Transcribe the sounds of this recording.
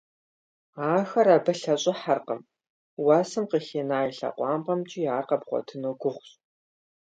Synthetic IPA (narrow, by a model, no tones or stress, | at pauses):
aːxɐɾaːbɐɬɐɕʼɪħarqəm | wɑːsɨmqəxeːnaːjiɬɐ̰qʷɑːmqɐmt͡ʃʼijaːrqɐbχʷɔ̰tʰɨnoːɡʷʊχʷɕ